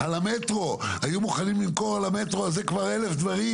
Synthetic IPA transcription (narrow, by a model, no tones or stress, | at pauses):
alame̞tʁo̞ajumuχanimlimko̞ʁalame̞t̪ʁoazekvaʁe̞lefd̪vaʁi